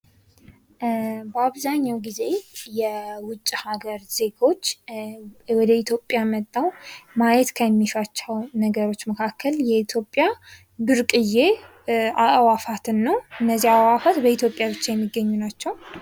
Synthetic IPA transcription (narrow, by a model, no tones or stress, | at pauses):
bəaβzaɲːawɡize̞jɛwʊt͡ʃʼːhaɡəɾz̥e̞ɡo̞t͡ʃː | wɔd̪əit̪ʰjo̞pʼːjamət̪ʼːawmajɛt̪kʰəjɛmːiʃat͡ʃːawnəɡəɾo̞t͡ʃːməkʰakʰːəljɛit̪ʰjo̞pʼːja | bɨɾkʼɨje̞ | aʔwafat̪ʰɨnːəwɨnːəzːiawafat̪bəit̪ʰjo̞pʼjabɨt͡ʃːajɛmːiɡːəɲːunat͡ʃːɛw